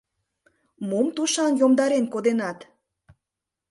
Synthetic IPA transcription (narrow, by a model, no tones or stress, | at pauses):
mumt̪uʃɑnjomd̪ɑɾenkod̪enɑt̪